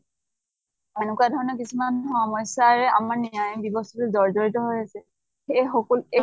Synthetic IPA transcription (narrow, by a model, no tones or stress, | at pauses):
ɛnukadʱɔɹɔnɔkisumanxɔmɔjsaɹɛa̰maɹnijajɔbibɔstɔtuzɔɹzoɹitɔɦojasɛ | xejxɔkɔle